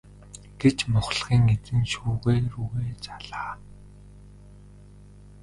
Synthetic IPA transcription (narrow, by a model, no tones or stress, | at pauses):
ɡ̥et͡ɕmʊχɮχiːŋet͡sɘ̆nʃuːɣeːruɣeːt͡saɮaː